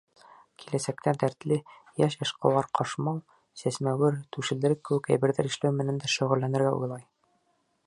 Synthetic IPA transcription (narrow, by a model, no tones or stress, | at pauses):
kʰilæsæk̚t̪æd̪æɾt̪lɘ | jæʃɤ̆ʃqɑ̰̆lˠɑɾqʰɑʃmɑlˠ | sæsmæwɘɾt̪ʉʃɘ̆ld̪ɘ̆ɾɘkːɘ̆wɘkæ̰jbɘ̆ɾðæɾɘ̆ʃlæwmɘ̆nænd̪æʃɵ̆ʁɘ̆lːænɘ̆ɾɡæṵjlˠɑj